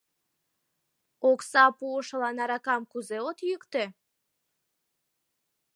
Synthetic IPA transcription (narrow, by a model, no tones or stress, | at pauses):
oksɑpuəʃəlɑnɑɾɑkɑmkuzeot̪jykt̪e